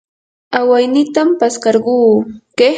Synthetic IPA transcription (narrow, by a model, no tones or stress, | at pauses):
awajnɪt̪ampaskɑɾɢuːke